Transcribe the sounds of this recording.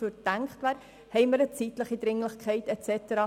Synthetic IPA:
fyːɾd̥æŋkχtʋæːɾ | hɛɪməɾət͡sitləχid̪ɾɪŋlɪχkʰχɛɪtɛt͡sɛt̪əɾɑː

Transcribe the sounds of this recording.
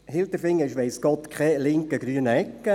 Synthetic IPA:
hɪlt̪əfɪŋːəɪʃʋɛɪsɡ̥ɔt̪kχɛlɪŋkəɡɾyənəɛkːə

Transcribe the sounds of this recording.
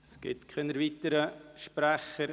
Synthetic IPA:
sɡ̥ɪ̰tkʰɪnəɾviːtəɾəʃpɾæχəɾ

